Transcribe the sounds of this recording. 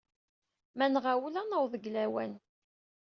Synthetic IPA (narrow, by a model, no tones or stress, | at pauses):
mænʁawlænəwðˤəɡlæwæ̰n